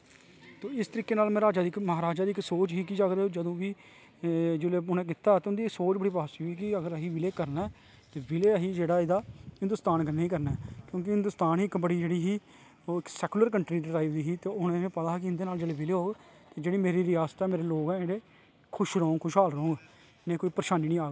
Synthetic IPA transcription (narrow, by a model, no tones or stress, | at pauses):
t̪oːɪst̪əɾiːkːeːnaːlmɛ̃ːɾaːd͡ʒaːd̪iːɪkməɦaːɾaːd͡ʒaːd̪iːksoːt͡ʃɦiːkɪd͡ʒaːɡɾeːd͡ʒəd̪õːʋiː | d͡ʒɪleːʊnɛ̃ːk̬it̪aːt̪eːʊnd̪iːksoːt͡ʃbəɽiːpaːsiiːkɪəɡəɾəɦiːʋɪleːkəɾnɛː | t̪eːʋɪleːəɦiːd͡ʒeːɽaːɪd̪aːɦɪnd̪ʊst̪aːnkəneːĩːkəɾnɛːkjõːk̬ɪɦɪ̃nd̪ʊst̪aːniːkbəɽiːd͡ʒeːɽiːɦiː | oːɪksɛːkʊləɾkəɳʈɾiːɖɾaːiʋd̪iːɦiːt̪eːʊnẽẽːpət̪aːkɪɪnd̪eːnaːld͡ʒeːleːʋɪleːɦoːɡ | t̪eːd͡ʒeːɽiːmeːɾiːɾɪaːst̪ɛːmeːɾeːloːɡɛ̃eːɽeː | kʰʊʃɾoːŋɡkʰʊʃɦaːlɾoːŋɡ | nẽːkoːiːpɾəʃaːniːniːaːɡ